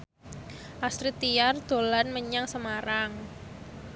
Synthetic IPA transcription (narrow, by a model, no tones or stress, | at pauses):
ʔast̪ɾit̪iard̪̥o̤lanməɲaŋsəmaɾaŋ